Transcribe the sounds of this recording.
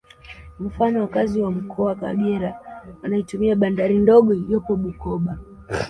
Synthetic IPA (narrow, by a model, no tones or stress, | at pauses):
m̩fanɔwakaziwam̩kʰɔawaka̰ɡɛɾaanaitumiaɓandaɾindɔɠɔjɔpɔɓukɔɓa